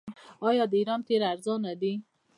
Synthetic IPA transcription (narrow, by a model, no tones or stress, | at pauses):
ɑjɑd̪əiɾɑnt̪eɾaɾzɑnad̪i